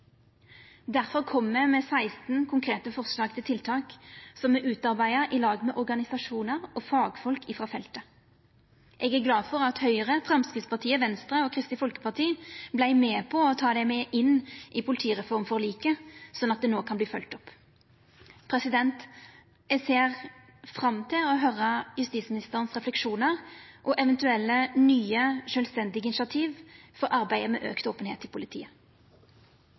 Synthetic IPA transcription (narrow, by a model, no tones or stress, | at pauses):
d̪æʁfɔʁkʰɔmmemɛːsæɪst̪n̩kʰʊŋkʰʁeːt̪əfɔʁslɑːɡt̪ʰɪlt̪ʰɪlt̪ʰɑːksɔmɛʔʉːt̪ɑʁbæɪəɾʔɪlɑːɡmɛːʔɔʁɡɑnɪsɑʂuːnəʁɔfɑːɡfɔlkɪfʁɑːfɛlt̪ə | ʔɛːɡæɡlɑːdfɔʁɑt̪hœʏʁəfʁɑmskɪt̪spʰɑʁt̪ʰiːəʋɛnst̪ʁəoːkʰʁɪst̪ɪfɔlkə̥pɑʁt̪ʰiːblæɪmeːpʰɔɔt̪ʰɑːd̪ɛmeːʔɪnʔɪpʰʊlɪt̪ʰiːʁɛfɔʁmfɔʁliːkəsɔnːɑt̪̚d̪ɛnoːkʰɑnbliːfœlt̪ɔpː | pʰɾɛsɪd̪ɛnt̪ | ɛseːʁ | fʁɑmt̪ʰɪlɔɦœɾəjʉst̪iːt̪smɪnɪst̪əʁənsʁɛflɛkʃuːnəʁʔɔʔɛʋɛnt̪ʉɛlːənyːəʃœlst̪ɛnd̪ɪɡəɪnʂɑt̪ʰiːʋfɔɾʔɑɾbæɪəmɛ̰ːʔø̰ːkt̪oːpənheːt̪ːɪlpʰʊlɪt̪ʰḭːə